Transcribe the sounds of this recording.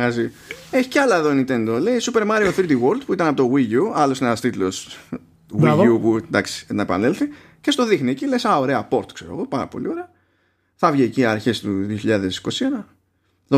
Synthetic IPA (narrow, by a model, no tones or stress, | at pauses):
ɐzi | eçi̥ceɐlɐeðo̞inint̪e̞nd̪o̞le̞isupe̞ɾmɐɾioθɾit̪iɣo̞ɾld̪puit̪ɐnɐpo̞t̪oɣiʝuɐlo̞sinenɐst̪it̪los | wiupund̪ɐksi̥nɐepɐ̰nelθi | ce̞st̪o̞ðixniecilesao̞ɾe̞ɐpo̞ɾt̪kse̞ɾo̰ɣo̞pɐɾɐ̰po̞̰lḭo̞ɾeɐ | θɐvʝieciɐɾçe̞st̪uðio̞çiʎɐðe̞si̥ko̞sienɐ | ðo